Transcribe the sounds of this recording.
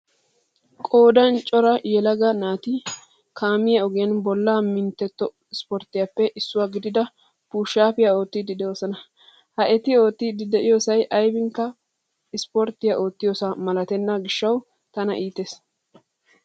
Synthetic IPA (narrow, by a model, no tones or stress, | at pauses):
kʼo̞ːd̪ɐnt͡ʃʼɔɾɐjɛlɐɡɐnaːt̪ɪ | kʰaːmɪjɐɔɡɪjɐnbɔlːaːmɪnt̪ːɛt̪ːɔ | ɪspɔɾt̪ːɪjɐpːɛʔɪsːʊwaːɡɪd̪ɪd̪ɐ | puːʃaːpɪjaoːt̪ːɪd̪ɪd̪ɛoːsɐnɐ | hɐʔɛt̪ɪo̞ːt̪ːɪd̪ɪd̪ɛʔɪjoːsɐjʔɐjbɪŋkːɐ | ɪspɔɾt̪ːɪjɐʔo̞ːt̪ːɪjoːsɐmɐlɐt̪ɛnːaɡɪʃːɐw | t̪ɐnɐ̰ʔiːt̪eːs